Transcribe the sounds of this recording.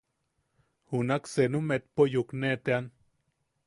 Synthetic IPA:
hunaksenumet̪̚pojuknet̪ean

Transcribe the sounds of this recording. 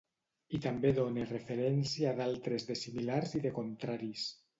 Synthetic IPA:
it̪ambeðonerefeɾɛnsiaaðalˠt̪ɾezðesimilaɾziðekont̪ɾaɾis

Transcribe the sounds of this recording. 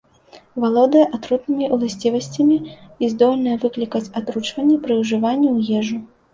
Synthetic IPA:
valˠɔd̪ɐjɐʔat̪ɾut̪nɨmʲiʔulˠasʲt͡sʲivɐsʲt͡sʲɐmʲiizd̪ɔlʲnɐjɐvɨklʲikɐt͡sʲat̪ɾut͡ʂvɐnʲːɛpɾɨwʐɨvanʲːiwjɛʐu

